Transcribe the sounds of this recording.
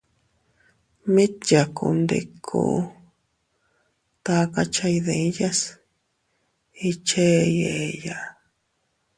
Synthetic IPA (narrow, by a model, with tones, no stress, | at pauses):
mĩ˦t̪ja˨kṵ˧nd̪ḛ˧kʰo̰˧˦ | t̪a˧ka˧t͡ʃa˧i˧ðe˨˦ja˦s | i˧t͡ʃe˦˧je˨˧ja˨